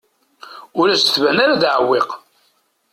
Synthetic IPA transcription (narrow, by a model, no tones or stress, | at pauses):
ʊɾæsθvænaɾaðʕəwːeq